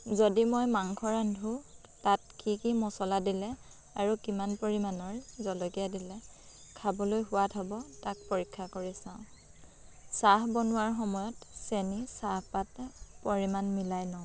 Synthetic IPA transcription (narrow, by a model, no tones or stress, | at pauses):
zodimojmaŋkʰɔɹandʱu | tat̚kikimɔsɔladilɛ | aɹukimanpoɹimanɔɹzɔlɔkijadilɛ | kʰabɔlojɦʊwatʰɔbɔtak̚poɹikʰːakoɹisãʊ̃ | saɦbɔnʊwaɹxɔmɔjɔtsenisahpatɛpoɹimanmilajnɔ̃